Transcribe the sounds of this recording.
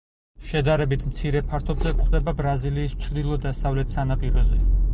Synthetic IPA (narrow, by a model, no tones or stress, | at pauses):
ʃɛd̪aɾɛbit̪ʰmt̪sʰiɾɛpʰaɾt̪ʰɔbzɛkχd̪ɛbabɾaziliːst͡ʃʰɾd̪ilˠɔd̪asavlɛt̪ʰsanapʼiɾɔzɛ